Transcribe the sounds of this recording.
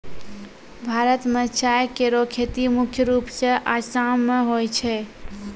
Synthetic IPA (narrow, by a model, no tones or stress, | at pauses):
bʱaɾət̪mət͡ʃʰajkeɾokʰet̪imukʰjəɾupsə̃ʔasamːeɦojt͡ʃʰɛ